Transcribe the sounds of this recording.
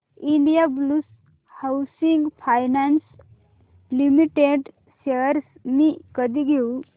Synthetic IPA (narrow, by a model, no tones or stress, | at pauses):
iɳɖijablus | hawsiŋɡpʰajnans | limiʈeɖ | seɾsmikəd̪iɡʱeu